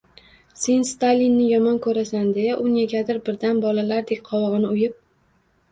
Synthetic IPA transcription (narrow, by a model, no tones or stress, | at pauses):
se̞nst̪alʲinːɪjɒmɒnkʰɵɾasand̪ejaʔʊnjeɡʲad̪ɪɾbɪɾd̪anbɒlalaɾd̪ekʲqʰɒwɒʁɨnɪʊjɪp̚